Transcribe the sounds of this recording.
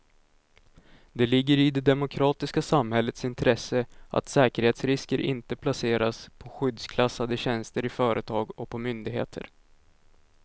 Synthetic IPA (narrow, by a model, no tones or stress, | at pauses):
d̪ɛlɪɡːəɾɪd̪ɛd̪ɛmʊkʰɾɑːt̪ɪskasamhɛlːət̪sɪnt̪ʰɾɛsəʔa̰t̪sɛːkəɾheːt̪sɾɪskəɾʔɪ̰nt̪əpʰlaseːɾaspʰɔɧʏd̪skʰlasːad̪əɕɛnst̪əɾɪfœːɾʔət̪ʰɑːɡɔk̚pʰɔmʏnd̪ɪɡhḛːt̪ʰə̰ɾ